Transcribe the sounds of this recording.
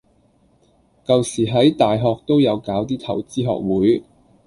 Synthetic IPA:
kɐ˨wsiː˨˩ɦɐ˨˥jt̪aː˨jɦɔː˧k̚t̪o˥wjɐ˨˧wkaː˨˥wt̪iː˥t̪ʰɐ˨˩wt͡siː˥ɦɔ̰ː˨k̚wuː˨˥j

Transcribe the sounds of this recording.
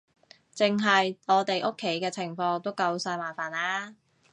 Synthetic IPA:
t͡sɪ˨ŋɦɐ˨jɔː˨˧t̪e˨jʔo˥kʰːe˨˥jkɛː˧t͡sʰɪ˨˩ŋfɔː˧ŋt̪o˥wkɐ˧wsaː˧jmaː˨˩nfaː˨˩naː˥

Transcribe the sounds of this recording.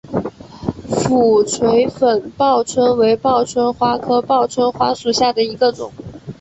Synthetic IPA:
fu˨˩t͡sʰwe˧˥ɪfə˨˩npɑ˥˩ʊt͡sʰwə˥nwe˧˥ɪpɑ˥˩ʊt͡sʰwə˥nxwa˥kʰɤ˥pɑ˥˩ʊt͡sʰwə˥nxwa˥ʂu˨˩ɕja˥˩d̪ə˩i˧˥ɡə˧ʈ͡ʂʊ̰˨˩˦ŋ

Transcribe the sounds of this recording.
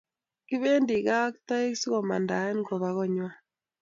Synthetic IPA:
ki˦βe˦ndi˨ɣa˦kta˦e˦ksi˦ɣɔ˨ma̰˨nda˨ɛ˦n˦ɡɔ˨βa˨ɣɔ˦ɲwa˦

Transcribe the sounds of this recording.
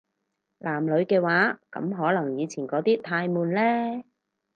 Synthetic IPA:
lʔaː˨˩mlɵ˨˧˥ɥkɛː˧waː˨˥kɐ̰˨˥mɦɔː˨˥lɐ˨˩ŋjiː˨˧t͡sʰiː˨˩nkɔː˨˥t̪iː˥t̪ʰaː˧jmuː˨nlɛː˥

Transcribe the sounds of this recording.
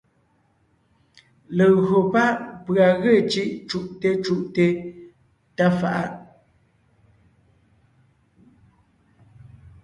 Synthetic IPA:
lə˨ɣo˨pa˦˨ʔpɰa˨ɣe˦˨t͡ʃi˦ʔt͡ʃu˦˨ʔte˦t͡ʃu˦ʔte˦ | ta˦fa̰˨ʔa˦ʔ

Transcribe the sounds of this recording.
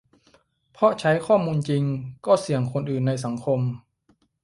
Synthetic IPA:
pʰɔ˧˥t͡ɕʰa˦˥jkʰɔː˥˩muː˧nt͡ɕi˧ŋkɔː˥˩si˩˦əŋkʰo˧nʔɯː˨˩nːa˧js̬a˩˦ŋkʰo˧m

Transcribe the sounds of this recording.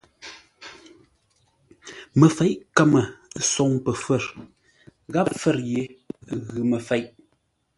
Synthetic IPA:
mə˨fɛ˨˦ʔkə˦˨mə˨sɔ˨ŋpə˨fə˦˨ɾ | ɣa˦p̚fə˦˨ɾje˨˦ɣʉ˨mə˨fɛ˨˦jʔ

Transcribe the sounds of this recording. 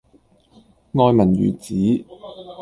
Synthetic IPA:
ŋɔː˧jmɐ˨˩njy̰ː˨˩t͡siː˨˥

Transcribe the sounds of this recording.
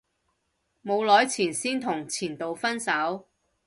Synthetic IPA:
mo˨˧wlɔː˨˥jt͡sʰiː˨˩nsiː˥nt̪ʰʊ˨˩ŋt͡sʰiː˨˩nt̪o˨wfɐ˥nsɐ˨˥w

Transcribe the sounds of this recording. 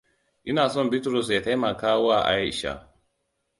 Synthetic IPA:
ʔɪ˦naː˨sɔ˦mbi˦tɾɔ˨s̬ja˨ta˦ma˨kaː˦wa˦˨ʔa̰˦jʃa̰˨

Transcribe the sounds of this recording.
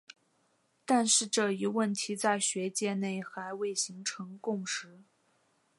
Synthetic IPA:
t̪a˥˧nʂɻ̩˥˧ʈ͡ʂɤ˥˧i˧˥wə˥˩nt̪ʰi˧˥t͡sa˥˩ɪɕɥɛ˧˥t͡ɕjɛ˥˧ne˥˩ɪxa˧˥ɪwe˥˩ɪɕi˧˥ŋʈ͡ʂʰɤ˧˥ŋkʊ˥˩ŋʂɻ̩˧˥

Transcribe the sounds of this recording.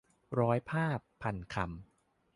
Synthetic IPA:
ɾɔː˦˥jpʰaː˥˩pʰːa˧nkʰa˧˩m

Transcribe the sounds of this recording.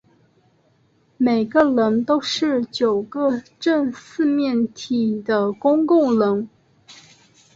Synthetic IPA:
me˨˩ɪɡə˧lə˧˥ŋt̪o˥ʊʂɻ̩˥˩t͡ɕjo˨˩ʊɡə˧ʈ͡ʂə˥˧ŋsɹ̩˥˧mjɛ˥˩nt̪ʰi˨˩d̪ə˦kʊ˥ŋkʊ˥˩ŋlə˧˥ŋ

